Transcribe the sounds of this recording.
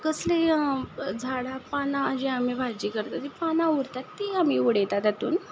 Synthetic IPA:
kəsle | d͡zʱaɽapanad͡ʑeam̤ibʱaɾd͡ʑikəɾt̪at̪ipanauɾt̪at̪ːiam̤iuɽet̪at̪at̪ṵːn

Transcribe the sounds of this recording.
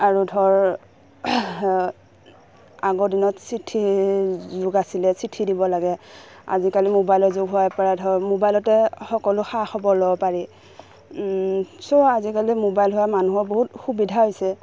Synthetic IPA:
aɹudʱɔɹ | aɡɔdinɔtsitʰi | zʊɡasilɛsitʰidibɔlaɡɛa̰zikalimobajlɔzʊɡɦʊwapaɹadʱɔɹmobajlɔtɛxɔkɔlʊxaxɔbɔɹlɔbɔpaɹi | soazikalimobajlɦʊwamanuɦɔɹboɦutxubidʱaɦojsɛ

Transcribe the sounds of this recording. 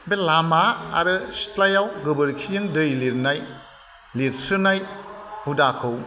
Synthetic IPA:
belamaa̰ɾɯsi̥tlajawɡɯbɯɾkʰijɯŋdɯjliɾnaj | liɾsɯnajhudakʰɯw

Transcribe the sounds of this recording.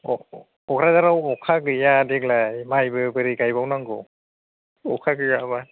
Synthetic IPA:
ɔ | ɔkʰɾazaɾawɔkʰakɯjadɛklajmajbɯbɯɾiɡajbawnaŋɡɔ̰ | ɔkʰakɯjaba

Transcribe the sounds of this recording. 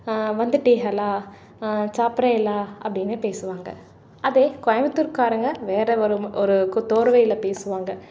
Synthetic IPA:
ʋɐnd̪ɯʈːiːɣɐlaː | t͡ʃaːpɾɐjɪlaːɐpːɐɽɪnːeːpeːsɯʋaːŋɡɐ̰ | ɐðeːkɔjɐʋɐt̪ːɯɾkaːɾɐŋɡɐʋeːɾɛɔɾɯɔɾɯkt̪oːɾɯʋɐjɪlɐpeːsɯʋaːŋɡɐ

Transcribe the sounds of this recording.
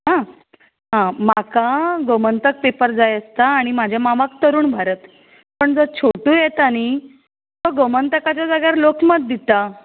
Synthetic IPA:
ɦã | ɦãmakaɡomənt̪ək̚pepəɾd͡zajəst̪aːɽ̃imad͡ʑʱjamaʋak̚t̪əɾuːnbʱaɾət̪ | pəɳd͡zət͡ɕʰoʈuːjet̪aɽ̃i | t̪ɔɡomənt̪əkat͡ɕjad͡zəɡjaɾlokməd̪ːit̪a

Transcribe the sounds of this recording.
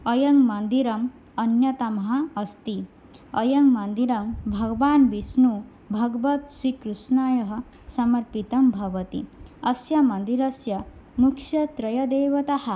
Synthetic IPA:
ɐjɐŋɡmɐnd̪iɾɐm | ɐnjɐt̪ɐmɐɦɐːst̪i | ɐjɐŋɡmɐnd̪iɾɐmbʱɐɡʋaːnbisnu | bʱɐɡʋɐt̪ʃikɾusnaːjɐɦɐ̆ | sɐmɐɾpit̪ɐmbʱɐʋɐt̪ḭɐsjɐmɐnd̪iɾɐsjɐmukʂjɐt̪ɾɐjɐd̪eːʋɐt̪ɐhɐ

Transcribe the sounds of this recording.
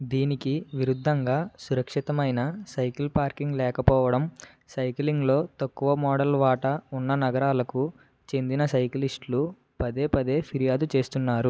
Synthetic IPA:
d̪iːnikiʋiɾud̪ʱːɐŋɡaːsuɾɐkʂit̪ɐmɐjnɐsɐjkilpaːɾkiŋɡlɛːkɐpɔːʋɐɽɐm | sɐjkliŋɡlo̞ːt̪ɐkːuʋɐmɔːɽɐlʋaːʈɐunːɐnɐɡɐɾaːlɐku | t͡ʃe̞nd̪inɐsɐjklisʈlu | pɐd̪e̞ːpɐd̪e̞ːpʰiɾijaːd̪ut͡ʃe̞ːst̪unːaːɾu

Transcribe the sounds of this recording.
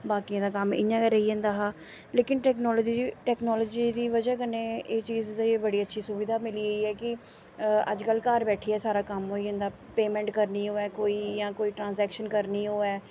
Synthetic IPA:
baːkijãːd̪aːkəmɪ̰ɲãːkɛɾəiːə̃ːnd̪aːɦaː | leːkɪnʈɛːknɔːlːd͡ʒiʈɛːknɔːləːd͡ʒiːd̪iːʋəd͡ʒaːkəneːeːt͡ʃiːzd̪aːeːbəɽiːətːʃʰiːsʊbid̪ʱaːmɪliːəiːɛːkɪ | ə̰d͡ʒkəlkəɾbɛːʈʰiːɛːsaːɾaːkəmɦoːiːə̃ːnd̪aː | peːmɛ̃ːɳʈkəɾniːɦoːɛːkoːiːjãːkoːiːʈɾãːnzɛːkʃənkəɾniːɦoːɛː

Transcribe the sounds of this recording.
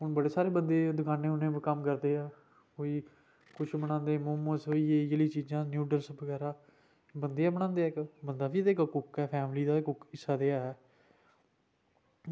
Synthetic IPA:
ɦʊnbəɽeːsaːɾeːbənd̪eːd̪ʊkaːnẽːʊnẽːkəmkəɾd̪eːɛː | koːiː | kʊt͡ʃʰbəɽ̃ãːnd̪eːmʊməsɦoːiːeːd͡ʒəliːt͡ʃiːd͡ʒãːnjuːɖəlsbəɡɛːɾaː | bənd̪eːɛːbəɽ̃ãːnd̪eːɪkbənd̪aːpʰiːt̪eːkkʊkɛːpʰɛːmliːd̪aːkʊkɪsːaːd̪eːaːɛː

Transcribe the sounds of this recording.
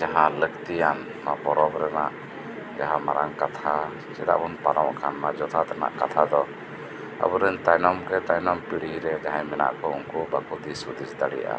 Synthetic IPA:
d͡ʒaɦãləkt̪ijan | mapɔɾɔbɾɛnaʔ | ɡaɦamaɾaŋkat̪ʰa | sɛ̰d̪a̰ʔkunpaɾɔ̃wʔkʰanmad͡ʒɔt̪ʰat̪ana̰ʔkat̪ʰad̪ɔ | a̰buɾənt̪ajnɔmkɛt̪ajnɔmpiɽiiɾɛd͡ʒaɦãmɛna̰ʔkɔṵŋkubakut̪isud̪isd̪aɽɛ̰jʔa̰

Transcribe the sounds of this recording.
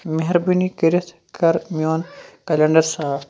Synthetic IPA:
meɦɾbinikiɾɪt̪ʰ | kɐɾmjoːnkɐlɐɳɖɐɾsaːf

